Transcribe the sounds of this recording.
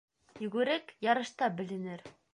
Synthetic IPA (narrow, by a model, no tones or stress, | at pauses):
jɵ̆ɡʉɾɘkjɑɾɤ̆ʃt̪ɑbɘ̆lɘ̆nɘɾ